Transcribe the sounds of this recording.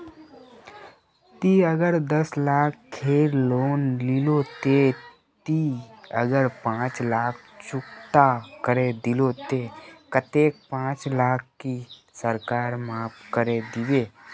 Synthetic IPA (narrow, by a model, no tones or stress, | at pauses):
t̪iəɡəɾd̪əslaːkkʰːeːɾloːnlɪlot̪e | t̪iəɡəɾpãːt͡ʃlaːk̚ʰt͡ʃʊkt̪akəɾed̪ɪlot̪ekət̪eːk̚pãːt͡ʃlaːk̚ʰki | səɾkaːɾmaːpkəɾed̪ɪʋeː